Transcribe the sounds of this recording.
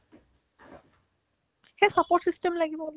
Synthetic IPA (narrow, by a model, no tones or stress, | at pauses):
xɛsapɔɹsistɛmlaɡibɔl